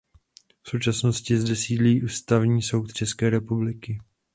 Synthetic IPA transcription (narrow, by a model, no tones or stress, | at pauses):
fsowt͡ʃasno̞scɪzdɛsiːdliːʔuːst̪avɲiːso̞wt̪̚t͡ʃɛskɛːɾɛpublɪkɪ